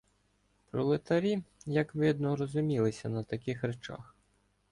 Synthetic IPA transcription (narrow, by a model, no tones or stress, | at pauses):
pɾɔlˠɪt̪ɐɾʲijɐkʋɪd̪nɔɾɔzʊmʲilˠɪsʲɐnɐt̪ɐkʲɪxɾet͡ʃa̰x